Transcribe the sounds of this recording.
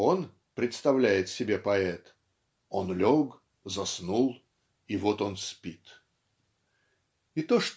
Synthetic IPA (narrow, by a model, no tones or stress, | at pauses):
on | pɾʲɪt̪st̪ɐvlʲæjɪt̪sʲɪbʲepɐɛt̪ | onlʲoɡ | zɐsnulˠ | ivo̞t̪o̞nspʲit̪ | it̪oʂt̪